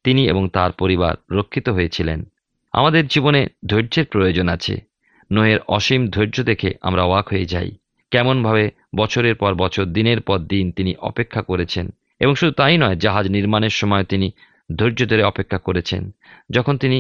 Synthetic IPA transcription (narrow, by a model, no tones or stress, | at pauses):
t̪iniḛboŋt̪aɾpoɾiba̰ɾːokʰːit̪oɦojet͡ɕʰilḛn | a̰mad̪eɾd͡ʑiboned̪ʱoɾd͡ʑeɾpɾojod͡ʑonat͡ɕʰḛ | noeɾɔ̰ʃimd̪ʱoɾd͡ʑod̪ekʰea̰mɾaɔakɦojed͡ʑa̰j | kɛmonbʱabe | bɔt͡ɕʰoɾeɾpɔɾbɔt͡ɕʰoɾd̪ineɾpɔɾd̪int̪iniʔɔ̰pekʰːakoɾet͡ɕʰen | eboŋʃud̪ʱut̪ajnɔed͡ʑaɦad͡ʑniɾmaneɾʃɔmɔet̪ini | d̪ʱoɾd͡ʑod̪ʱoɾeɔpekʰːakoɾet͡ɕʰḛnd͡ʑɔkʰont̪ini